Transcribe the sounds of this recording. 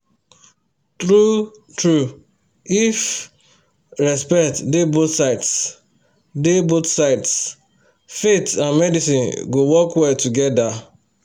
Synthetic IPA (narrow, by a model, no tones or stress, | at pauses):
tɾu | tɹu | if | ɹɛspɛktdebotsaɪts | debotsaɪts | fetãnmɛdisĩnɡowɔkwɛltuɡɛda